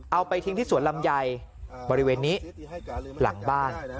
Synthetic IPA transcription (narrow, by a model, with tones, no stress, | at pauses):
ʔa˧wpa˧jt̪ʰi˦ŋt̪ʰiː˥˩su˩˦nla˧mja˧j | bɔː˧ɾi˦˥weː˧nːiː˦˥ | la̰˩˦ŋbaː˥˩n